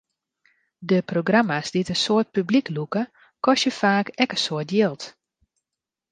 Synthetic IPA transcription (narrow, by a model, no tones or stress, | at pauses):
dəproɡramasdiətənsoət̚pybliklukə | kɔsjəfaːkɛkəsoətjɪlˠt